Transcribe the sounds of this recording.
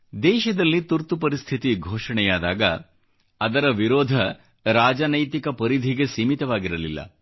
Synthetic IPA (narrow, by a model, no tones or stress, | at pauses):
d̪ɛːʃɐd̪ɐlːit̪uɾt̪upɐɾist̪ʰit̪iɡʱoːʂɐɳɛjaːd̪aːɡɐ̰ | ɐd̪ɐɾɐʋiɾɔːd̪ʱɐ | ɾaːd͡ʒɐnɐjt̪ikɐpɐɾid̪ʱiɡesiːmit̪ɐʋaːɡiɾɐlilːɐ̰